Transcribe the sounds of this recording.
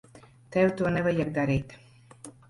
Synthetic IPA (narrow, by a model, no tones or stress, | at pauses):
t̪ɛwt̪uɔnɛvajaɡ̚d̪aɾiːt̪ʲ